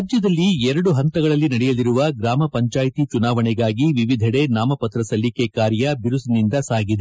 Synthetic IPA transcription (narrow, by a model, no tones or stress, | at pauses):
d͡ʒjɐd̪ɐlːiɛɾɐɽuɦɐnt̪ɐɡɐɭɐlːinɐɽɛjɐliɾuʋɐɡɾaːmɐpɐɲt͡ʃaːjt̪it͡ʃunaːʋɐɳɛɡaːɡiʋiʋid̪ʱɐɽe̞naːmɐpɐt̪ɾɐsɐlːikekaːɾjɐbiɾusinind̪ɐsaːɡid̪e